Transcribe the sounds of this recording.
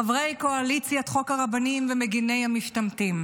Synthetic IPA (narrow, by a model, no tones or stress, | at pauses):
avʁe̞jko̞alit͡sjat̪χo̞kaʁabanimvemeɡine̞jhamiʃtamtim